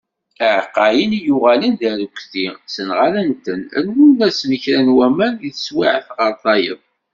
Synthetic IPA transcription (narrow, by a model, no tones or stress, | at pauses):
əʕqːɑjənjʊʁælənðæɾukʷθisənʁalənt̪ənæ̰lwunæsməçɾænwæmæniθəswiʕəθʁəɾˤθˤɑjəðˤ